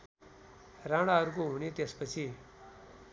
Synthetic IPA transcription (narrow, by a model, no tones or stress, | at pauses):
ɾaɽaɾkoɦunit̪espət͡ɕʰi